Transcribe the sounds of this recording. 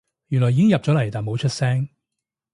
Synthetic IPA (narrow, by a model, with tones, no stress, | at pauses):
jy˨˩nlɔː˨˩jiː˨˥ɪ˥ŋjɐ˨p̚ɔ˨˥lɐ˨˩jt̪aː˨˩mo˨˧˥wt͡ʃʰɵ˥t̚sɛː˥ŋ